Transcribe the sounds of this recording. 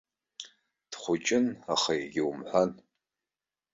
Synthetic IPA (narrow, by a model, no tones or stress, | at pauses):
d̥χʷʊt͡ʃʼɪnaχajɡʲɪwumħʷan